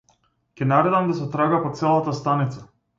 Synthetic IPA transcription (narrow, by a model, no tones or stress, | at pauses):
cʲɛnaɾɛd̪amd̪asɛt̪ɾaɡapɔt̪sɛlˠat̪ast̪anit̪sa